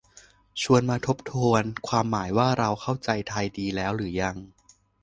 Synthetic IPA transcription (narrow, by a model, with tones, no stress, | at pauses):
t͡ɕʰu˧ənmaː˧t̪ʰo˦˥p̚t̪ʰuː˧ənkʰwaː˧mːaː˩˦jwaː˥˩ɾa˧wkʰa˥˩wt͡ɕa˧jt̪ʰaː˧jdiː˧lɛː˦˥wɾɯː˩˦ja˧ŋ